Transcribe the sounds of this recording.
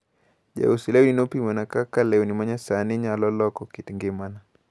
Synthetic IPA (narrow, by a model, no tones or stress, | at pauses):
ʄɛ̰usilɛwinopimɛnakakalɛunimaɲasaniɲalɔlɔkɔkitiŋɡemana